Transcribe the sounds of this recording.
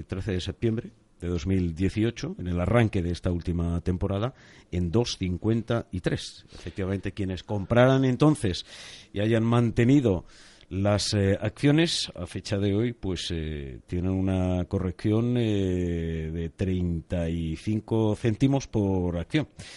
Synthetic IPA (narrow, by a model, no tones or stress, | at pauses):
t̪ɾe̞θe̞ðe̞se̞p̚t̪je̞mbɾe̞ | d̪e̞ðo̞zmild̪je̞θio̞t͡ʃo̞ene̞laraŋke̞ðeest̪ault̪imat̪e̞mpo̞ɾað̞a | end̪o̞sθiŋkwe̞nt̪ait̪ɾe̞sefe̞k̚t̪iβamẽ̞nt̪e̞kje̞ne̞sko̞mpɾaɾanẽ̞nt̪o̞nθe̞sḭaʝanmãnt̪e̞niðo̞ | lasak̚θjo̞ne̞sa̰fe̞t͡ʃaðe̞o̞jpwe̞set̪je̞nenunako̞re̞kθjo̞n | ðe̞t̪ɾe̞jnt̪aiθiŋko̞θe̞nt̪imo̞spo̞ɾakθjo̞ŋ